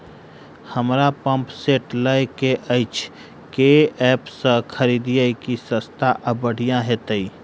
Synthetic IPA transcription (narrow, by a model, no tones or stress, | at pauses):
həmɾapə̃mpseːʈləjkeʔəɪt͡ʃʰ | keɛːpsəkʰəɾiːd̪ijəjkisə̃st̪ʰaʔəbəɽ̤ijãɦɛt̪əi